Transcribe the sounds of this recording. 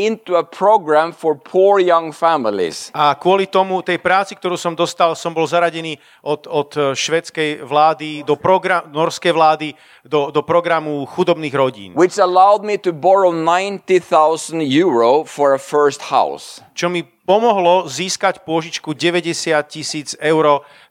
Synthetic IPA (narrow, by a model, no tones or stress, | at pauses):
ɪ̃nt̪uəpʰɹoɡɹæ̃mfɔɹpʰuɹjʌ̃ŋfæmɪlḭz̥akʊɔlit̪ɔmut̪ɛjpɾaːt͡sik̚t̪ɔɾuːsɔmd̪ɔst̪alsɔmbɔlzaɾaɟɛniː | ʔɔt̪ɔt̪ʃʋɛt͡skɛjʋlaːd̪id̪ɔpɾɔɡɾanɔɾskɛjʋlaːd̪i | d̪ɔd̪ɔpɾɔɡɾamuxud̪ɔbniːɣɾɔɟḭːnwɪt͡ʃəlaʊd̪̚mitubɔɹoʊnãɪ̃ntiθaʊzə̃ntjuɹoʊfɔɹəfɜ˞stha̰ʊst͡ʃɔmi | pɔmɔɦlɔziːskacpʊɔʒit͡ʃkuɟɛʋɛɟɛsɪat̪̚cisiːd͡zɛʊɾɔː